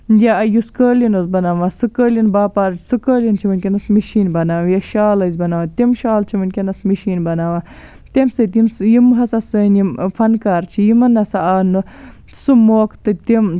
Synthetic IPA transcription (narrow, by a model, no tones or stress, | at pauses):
jaɐjuskəːlinozbɐnaːʋasɨkəːlʲinbaːpaːɾt͡ʃʰsɨkəːlʲint͡ʃʰiʋɨnkʲenɐsmiʃiːnbɐnaːʋjaʃaːlɐzʲbɐnaːʋat̪emʃaːlt͡ʃʰiʋɐnkʲenɐsmiʃiːnbɐnaːʋa | t̪emsɨt̪̬imsjimɦɐsɐsəːnimfɐnkaːɾt͡ʃʰijimɐnɐsaaːnɨ | sɨmoːkt̪ɨt̪em